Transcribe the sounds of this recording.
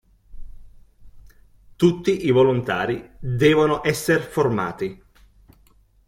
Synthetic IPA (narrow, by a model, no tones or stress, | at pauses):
t̪ut̪ːiʔivolont̪a̰ːɾid̪ɛːvonoʔɛsːerforma̰ːt̪i